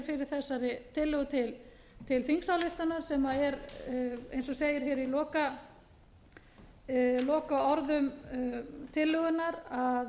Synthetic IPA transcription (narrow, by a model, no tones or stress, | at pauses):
ɾfɪɾɪɾ̥θɛsːaɾɪt̪ʰɪlːʏɣʏt̪ʰɪl | t̪ʰɪlfiŋksawlʏht̪anaɾ̥sɛmaðɛɾ | ḛjnsɔseːjɪɾ̥çɛːɾilɔːka | lɔːkaɔɾðʏm | t̪ʰɪlːʏɣʏnaɾa